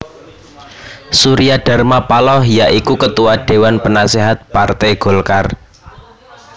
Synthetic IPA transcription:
suɾiaɖ̥a̤rmapalɔhjaʔikukət̪uwaɖ̥e̤wanpənaseɦat̪̚part̪ɛɡ̥o̤lkar

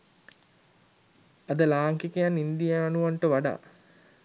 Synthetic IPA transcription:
ad̪əlaːŋkikəjanind̪ijaːnuʋaɳʈəʋaɖa̰ː

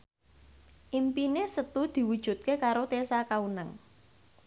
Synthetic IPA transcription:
ʔimpinesət̪ud̪̥i̤wud̥ʒ̥ṳt̪̚kekaɾot̪esakaunaŋ

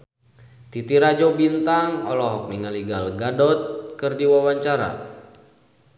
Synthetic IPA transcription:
t̪it̪iɾad͡ʒɔbint̪aŋɔlɔɦɔk̚niŋaliɡalɡadɔt̪̚kɨrdiwawaɲt͡ʃaɾa̰

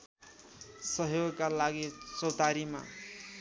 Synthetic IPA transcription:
sʌɦjoɡkalaɡisot̪aɾima̰

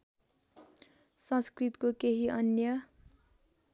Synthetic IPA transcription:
sʌ̃skrit̪kokeɦiʔʌnjʌ

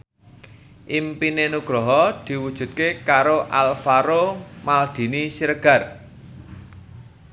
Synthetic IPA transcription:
ʔimpinenuɡ̥ɾɔɦɔd̪̥i̤wud̥ʒ̥ṳt̪̚kekaɾoʔalfaɾomald̪̥i̤nisiɾəɡ̥a̤r

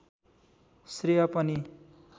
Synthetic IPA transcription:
srijʌpʌni

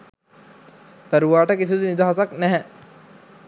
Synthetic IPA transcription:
t̪əɾuʋaːʈəkis̬id̪unid̪aɦasaknæɦɛ

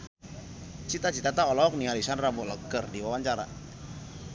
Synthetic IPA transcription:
t͡ʃit̪at͡ʃit̪at̪aɔlɔɔk̚nialisanrabɔʔləkərdiwawaɲt͡ʃaɾa̰

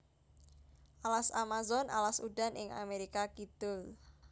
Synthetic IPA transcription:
ʔalasamazɔna̰lasuɖa̤nʔɪ̰ŋa̰meɾikakid̪̥ʊl

